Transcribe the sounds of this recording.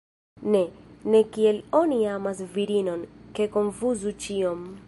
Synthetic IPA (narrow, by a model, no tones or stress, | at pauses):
ne̞ne̞kie̞lo̞niamasviɾino̞nke̞ko̞nfuzut͡ʃiom